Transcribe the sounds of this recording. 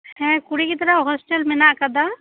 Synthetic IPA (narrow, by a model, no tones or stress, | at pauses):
ɦɛ̃ːkuɽikit̪ɐɾəɦɔsʈəlmɪnakɐd̪a